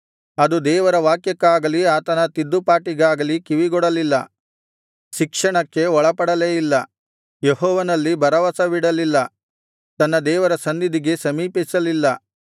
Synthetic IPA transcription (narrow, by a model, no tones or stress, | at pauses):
ɐd̪ud̪ɛːʋɐɾɐʋaːkjɐkːaːɡɐliaːt̪ɐnɐt̪id̪ːupaːʈiɡaːɡɐlikiʋiɡɔɽɐlilːɐ | ʃikʂɐɳɐkːe̞ɔɭɐpɐɽɐleːjilːɐ | jeɦɔːʋɐnɐlːibɐɾɐʋɐsɐʋiɽɐlilːɐ | t̪ɐnːɐd̪ɛːʋɐɾɐsɐnd̪id̪iɡe̞sɐmiːpisɐlilːɐ